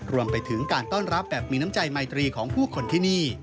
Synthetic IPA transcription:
ɾu˧əmpa˧jt̪ʰɯ˩˦ŋkaː˧nt̪ɔː˥˩nɾa˦˥p̚bɛː˨˩p̚miː˧na˦˥mt͡ɕa˧jma˧jt̪ɾiː˧kʰɔː˩˦ŋpʰuː˥˩kʰo˧nt̪ʰiː˥˩niː˥˩

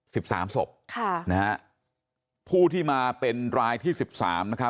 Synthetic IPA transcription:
si˨˩p̚sa̰ː˩˦mso̰˨˩p̚kʰa˥˩na˦ | pʰuː˥˩t̪ʰiː˥˩maː˧pe˧nɾaː˧jt̪ʰiː˥˩si˨˩p̚sa̰ː˩˦mna˦˥kʰɾa˦˥

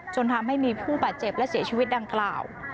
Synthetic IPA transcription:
t͡ɕo˧nt̪ʰa˧mha˥˩jmiː˧pʰuː˥˩baː˨˩t̪̚t͡ɕe˨˩p̚lɛ˦˥si˨˩˦t͡ɕʰiː˧wi˦˥t̪̚da˧ŋklaː˨˩w

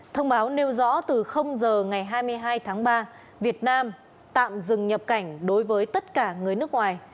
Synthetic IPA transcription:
t̪ʰə˧wŋ͡mɓaː˨˦wne˧wzɔ̰˧˥t̪ɨ˨˩xə˧wŋ͡mzəː˨˩ŋa˨˩jɦaː˧jmɨ˧əjɦaː˧jt̪ʰaː˨˦ŋɓaː˧ | vi˨˩ət̚naː˧m | t̪a̰ː˧˨mzɨ˨˩ŋɲə˨˩p̚ka˧˩jŋ̟ɗo˨˦jvəː˨˦jt̪ə˦˥t̚kaː˧˩ŋɨ˨˩əjnɨ˦˥ək̚ŋwaː˨˩j

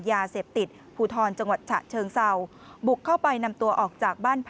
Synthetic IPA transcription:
jaː˧seː˨˩p̚t̪i˨˩t̪̚ | pʰuː˧t̪ʰɔː˧nt͡ɕa˧ŋwa˨˩t̪̚t͡ɕʰa̰˨˩ʔt͡ɕʰɤː˧ŋsa˧w | bu˨˩kʰːa˥˩wpa˧jna˧mt̪u˧ɐʔɔː˨˩k̚t͡ɕaː˨˩k̚baː˥˩npʰ

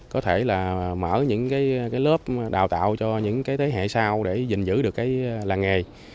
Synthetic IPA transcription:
kɔ˨˦t̪ʰe˧˩laː˨˩mə̰ː˧˩ɲɨ̰˧˥ŋkaː˨˦jkaː˨˦jləː˦˥p̚ɗaː˨˩wt̪a̰ː˧˨wt͡ɕɔ˧ɲɨ̰˧˥ŋkaː˨˦t̪ʰe˨˦ɦḛ˧˨saː˧wɗe˧˩zï˨˩ŋ̟zɨ̰˧˥ɗɨ˨˩əkːaː˨˦jlaː˨˩ŋe˨˩j

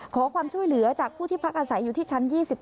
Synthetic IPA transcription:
kʰɔː˩˦kʰwaː˧mt͡ɕʰu˥˩əjlɯ˩˦ɐt͡ɕaː˨˩k̚pʰuː˥˩t̪ʰiː˥˩pʰa˦˥k̚ʔaː˧sa˩˦jːuː˨˩t̪ʰiː˥˩t͡ɕʰa˦˥njiː˥˩si˨˩p̚

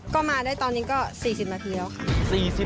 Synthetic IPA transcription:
kɔː˥˩maː˧daː˥˩jt̪ɔː˧nːiː˦˥kɔː˥˩siː˨˩si˨˩p̚na˧t̪ʰiː˧lɛ˧˩wkʰa˥˩siː˨˩si˨˩

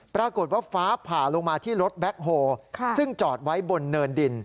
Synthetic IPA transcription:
pɾaː˧ko˨˩t̪̚waː˥˩faː˦˥pʰaː˨˩lo˧ŋmaː˧t̪ʰiː˥˩ɾo˦˥t̪̚bɛ˦˥k̚ɦoː˧kʰsɯ˥˩ŋt͡ɕɔː˨˩t̪̚wa˦˥jbo˧nːɤː˧ndi˧n

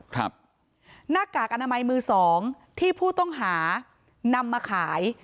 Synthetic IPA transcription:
kʰɾa̰˦˥p̚ | naː˥˩kaː˨˩k̚ʔa˧naː˧ma˧jmɯː˧sɔː˩˦ŋ | t̪ʰiː˥˩pʰuː˥˩t̪ɔ˥˩ŋɦaː˩˦ | na˧mːaː˧kʰaː˩˦j

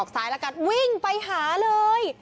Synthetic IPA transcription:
k̚saː˨˦jla˧˥ka˧˩t̪̚wi˧˩ŋpa˧jɦaː˩˦lɤː˧j

